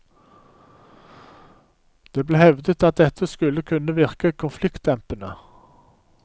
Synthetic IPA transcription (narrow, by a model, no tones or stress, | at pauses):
d̪̥eːbleːhɛʋd̪ət̪ɑt̪̚d̪ɛt̪ʰəskʉləkʰʉnəʋɪʁkəkʰʊnflɪkt̪ɛmpənə